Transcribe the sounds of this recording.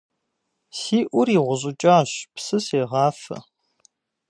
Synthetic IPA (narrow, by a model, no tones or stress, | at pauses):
siːʔʷʊɾiːʁʷʊʑʼɪt͡ʃʼaːɕpsɨseːʁɑːfɐ̰